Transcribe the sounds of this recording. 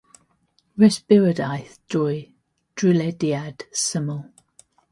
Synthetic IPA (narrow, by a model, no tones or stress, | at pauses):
ɹɛsbɪɹədajθd̥ɔj | d̥ɹilɛdiad̥səməlˠ